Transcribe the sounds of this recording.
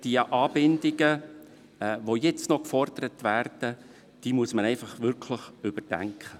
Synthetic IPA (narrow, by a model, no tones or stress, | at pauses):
d̥iʔɑːbɪndɪɡə | ʋojɛt͡stnɔkfɔrd̥̪əɾətʋærd̥ə | d̥imuəsmənɛɪfɑχʋʏɾkʰləχʏbəd̥æ̰ŋkχə